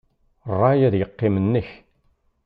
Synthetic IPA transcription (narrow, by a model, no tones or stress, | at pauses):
rˤːɑjæðjəqːɪmənːəç